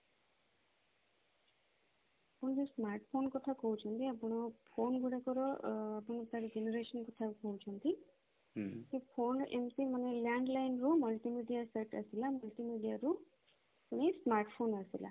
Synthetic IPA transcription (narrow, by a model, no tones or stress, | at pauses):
ʌpuɳ̃d͡ʒosmaɾʈpʰonkɔt̪ʰakowt͡sʰʌnt̪iapuɽ̃ɔpʰonɡuɽakɔɾɔːpuɽ̃ɔt̪aɾud͡ʒeneɾesʌnkɔt̪ʰakowt͡sʰʌnt̪i | kipʰonḛmt̪imʌneljaɳɖlajnɾumʌlʈimiɖijaseʈʌ̰silamʌlʈimiɖijaɾu | puñesmaɾʈpʰonʌsila̰